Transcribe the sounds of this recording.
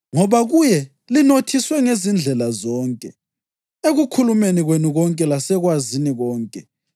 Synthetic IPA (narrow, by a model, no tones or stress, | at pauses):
ŋɔβaɣujɛ | linotʰiswɛŋezind͡ɮʱɛlazɔːŋkʼɛ | eɣukʰulumeniɣwenuɣɔŋkʼɛlasɛɣwaziniɣɔːŋkʼɛ